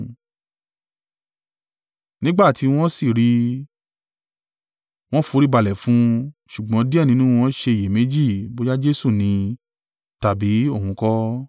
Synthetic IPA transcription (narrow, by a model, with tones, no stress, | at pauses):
nĩ˦ɡ͡ba˦˨ti˨˧w̃ɔ̃˦si˦˨ɾi˦ | w̃ɔ̃˦fu˨˧˦ɾi˦ba˧˨lɛ˨fũ˧˦ʃu˨ɡ͡bɔ̃˨˦di˦ɛ˦˨nĩ˨˦nũ˦w̃ɔ̃˦ʃe˧˨je˨mẽ˨˦d͡ʒi˦˨bo˦d͡ʒa˦d͡ʒe˦su˦˨nĩ˧ | ta˨bi˨˦o˦˨hũ˧kɔ˦